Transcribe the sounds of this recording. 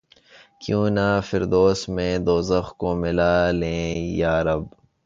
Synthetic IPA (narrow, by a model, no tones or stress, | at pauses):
kjũːnafɪɾd̪oːsmẽːd̪oːzəxkomɪlaːlẽːjaːɾɐb